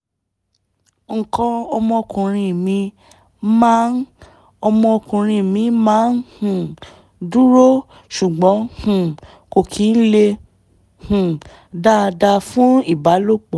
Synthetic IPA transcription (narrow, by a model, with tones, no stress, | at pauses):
ŋ̩˨kɔ̃˧ɔ˧mɔ̃˧o˧kũ˨ɾ̃ĩ˧˨mĩ˧ | mãː˦n | ɔ˧mɔ̃˧o˧kũ˨ɾ̃ĩ˧˨mĩ˧mãː˦nhũ˨ | du˦ɾo˦ | ʃu˨ɡ͡bɔ̃˨˦hũ˨ | ko˨kʰi˨˦n̩˦le˧ | hũ˨ | da˦˧da˧fũ˦i˦˨ba˨˦lo˦˨k͡pɔ˨